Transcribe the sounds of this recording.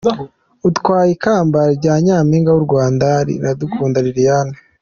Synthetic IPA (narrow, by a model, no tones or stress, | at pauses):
utkwaːjikaːmbaɾɟaːɲaːmiːŋɡawuɾɡwaːndaɾḭɾadukʰuːndaɾiɾijane